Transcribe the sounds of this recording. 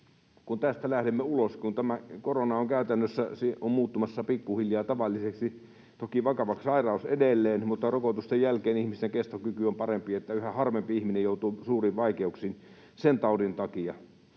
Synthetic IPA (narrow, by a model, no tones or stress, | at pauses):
kunt̪æst̪ælæhdemːeuloskunt̪æmækoronɑoŋkæˑyt̪ænːøsːæseʔommuːt̪ːumɑsːɑpikːuhiljɑːt̪ɑʋɑlːiseksi | t̪okiʋɑkɑʋɑkssɑirɑˑusḛdelːeːnmut̪ːɑrokot̪ust̪ejjælkeːnihmist̪eŋkest̪okykyompɑrempiet̪ːæyhæhɑrʋempiihminejjoˑut̪usuːriʋʋɑikeuksin | sent̪ɑˑudint̪ɑkijɑ